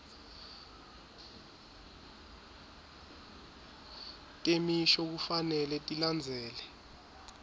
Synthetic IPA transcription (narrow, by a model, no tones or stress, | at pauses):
tʼemiʃɔk̬ufanɛlɛtʼiland͡zʱɛːlɛ